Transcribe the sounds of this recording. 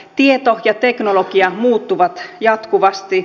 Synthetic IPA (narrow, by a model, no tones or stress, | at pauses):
t̪iet̪ojɑt̪e̞knolokiɑmuːt̪ːuʋɑt̪jɑt̪kuʋɑst̪i